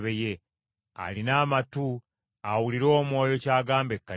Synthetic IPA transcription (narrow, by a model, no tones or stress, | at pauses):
βeje̞ | a̰linaːmatu | awuliɾo̞ːmwo̞ːjo̞caːɡaːmbe̞kːa